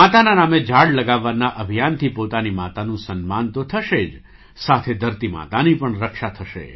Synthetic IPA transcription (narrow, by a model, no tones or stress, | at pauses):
at̪ananamed͡ʒʱaɽləɡaʋːanaʔəbʱijant̪ʰipot̪animat̪anũsənmant̪ot̪ʰəʃed͡ʒ | sat̪ʰed̪ʱəɾt̪ima̰t̪anipəɳɾəkʃat̪ʰəʃḛ